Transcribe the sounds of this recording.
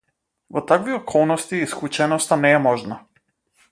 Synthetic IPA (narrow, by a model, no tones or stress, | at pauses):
vɔt̪akviɔkʰɔlˠnɔst̪iisklˠut͡ʃɛnɔst̪anɛɛmɔʒna